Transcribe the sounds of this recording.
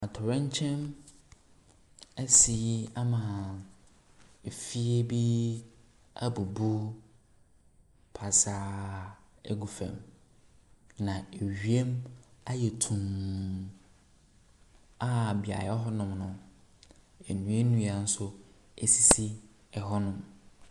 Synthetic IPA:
a˨tʰʊ˨ɾɛ̃˦ɲ˦t͡ɕʰɛ̃˦m | ɛ˦si˨˦a˦mã˨ | e˨fi˦e˦bi˦ | a̰˦bu˨bu˦ | pʰa˨sa˦ | ḛ˦ɡu˨fɛ̰̃˨m | nã˨e˨ɥi˨e˦ma˦jɛ˨tʰũ˨m | a˦˨bi˨a̰˨jɛ˨˦ɔ˦ɦɔ˦nʊ̃˨mnʊ̃˨ | e˨nũ˨˦e˦nũ˦a˨n̩˦sʊ˦ | e˨si˨si˦ | ɛ˨ɦɔ˦nʊ̃˨m

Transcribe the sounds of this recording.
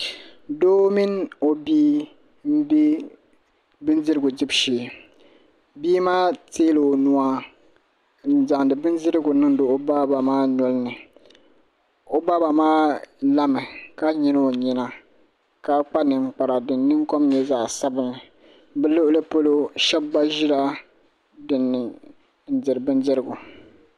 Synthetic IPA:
doː˦mi˦n˦o˨biː˦ | m̩˦bi˦ | bɨ˦nzi˦ɾɨ˦ɡʊ˨dɪ˦bʃi˨ | biː˦maː˦teː˦lɨ˨nu˦a˦ | n̩˨za˨ŋdɨ˨bɨ˦ndɪ˦ɾɨ˦ɡʊ˨nɨ˦ŋ˦do˨ʔo˦ba˦ba˨maː˦nɔ˦lɨ˦nɨ˨ | o˦ba˦ba˨maː˦la˦mɨ˨ka˦ɲi˦n˦o˨ɲi˨na˨ | ka˨k͡pa˦nɨ˨ŋ͡mk͡pa˨ɾa˨dɨ˨nː˦ɨ˦ŋko˦mɲɛ˦zaː˨sa˦bɨ˨nːɨ˨ | bɨ˦lʊ˦ʔʊ˦lɨ˦po˦lo˦ʃɛ˦bba˦ʒɪ˦la˦ | dɨ˨nːɨ˨ | n̩˨dɨ˨ɾɨ˨bɨ˦ndɨ˦ɾɨ˦˨ɡu˨

